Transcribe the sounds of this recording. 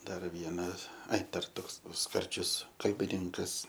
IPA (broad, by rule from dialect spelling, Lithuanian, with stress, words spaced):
ˈdɐr ˈʋʲiɛnɐs ˈɐɪ ˈdɐr ˈtoːks ˈskɐrʲd͡ʒʲʊs kɐlʲbʲɪˈnʲɪŋkɐs